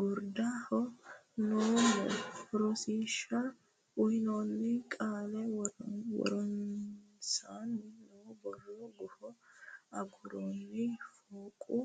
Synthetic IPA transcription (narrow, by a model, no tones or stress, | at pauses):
ɡʊɾd̪ahɔ | nu | fɾɔsiːʃːɐ | ʊjnoːnːɪkʼaːlɛwɔ̰ɾɔnsaːnːɪnubɔlːɔɡʊfɔɐɡʊɾoːnːɪfoːkʼʊ